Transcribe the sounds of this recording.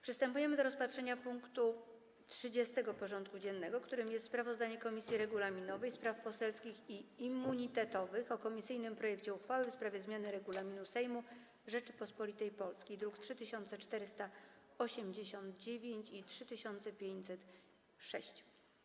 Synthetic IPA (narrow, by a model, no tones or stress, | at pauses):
pʂɘst̪ɛmpujɛmɘd̪ɔɾɔspatʂɛɲapuŋkt̪u | tʂɘd͡ʑɛst̪ɛɡɔpɔʐɔnt̪̚kud͡ʑɛnːɛɡɔkt̪uɾɘmjɛst̪spɾavɔzd̪aɲɛkɔmʲisʲjiɾɛɡulamʲinɔvɛjspɾafpɔsɛlskʲixiimːuɲit̪ɛt̪ɔvɘxɔkɔmʲisɘjnɘmpɾɔjɛkt͡ɕɛuxfawɘfspɾavʲjɛzmʲjanɘɾɛɡulamʲinusɛjmu | ʐɛt͡ʂɘ̥pɔspɔlʲit̪ɛjpɔlskʲijd̪ɾuktʂɘt̪ɘɕɔnt̪sɛt͡ʂt̪ɛɾɘst̪a | ɔɕɛmd͡ʑeɕɔnd̪̚d͡ʑevʲjeɲt͡ɕitʂɘt̪ɘɕɔnt̪sɛpʲjeɲt͡ɕsɛt̪ | ʂɛɕt͡ɕ